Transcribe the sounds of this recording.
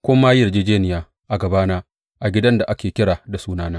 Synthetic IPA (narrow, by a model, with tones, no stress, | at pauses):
kʷʊ˦maː˦jɪ˨rd͡ʒeː˦d͡ʒeː˦nɪ˨jaː˨ | ʔa˨ɡɐ˨baː˦naː˦ | ʔa˨ɡʲɪ˦dɐ˦nda˨ʔa˦kʲeː˨kʲɪ˦ɽaː˨da˨suː˦naː˦naː˦